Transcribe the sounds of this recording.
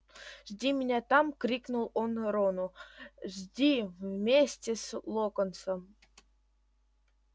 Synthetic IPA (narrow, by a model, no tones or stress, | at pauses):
ʐdʲimʲɪnʲæt̪ɑmkrʲiknulˠonɾonuʐdʲivmʲesʲtʲeslˠokŏnsɤ̆m